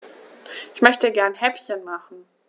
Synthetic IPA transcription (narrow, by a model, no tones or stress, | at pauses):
ʔɪçmœçtəɡɛɐnhɛpçənmaχn̩